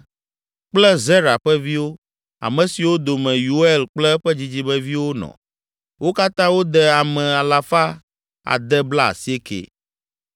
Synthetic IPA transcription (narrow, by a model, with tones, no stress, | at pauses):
k͡plɛ˦ze˦ɾa˨ɸɛ˦vi˦wo˦ | a̰˨mɛ̃˨si˨wo˦d̪o˨mɛ̃˨ju˨˦e˦˨lk͡plɛ˦ɸɛ˦d͡ʑi˦d͡ʑi˦bɛ˦vi˦wo˦nɔ̰̃˨ | wʔo˦ka˦t̪ã˦wo˦d̪ɛ˨a˨mɛ̃˨a˨la˨fa˦ | a̰˨d̪ɛ˦bla˦a̰˨si˦e˦kḛ˨